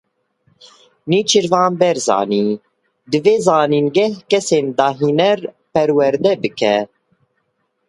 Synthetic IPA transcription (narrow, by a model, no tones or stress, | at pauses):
niːt͡ʃʰɨɾvɑːnbɛɾzɑ̰ːniː | d̪ɨveːzɑːniːnɡɛhkɛseːnd̪ɑːɦiːnɛɾ | pɛɾwɛɾd̪ɛbɨkʰɛ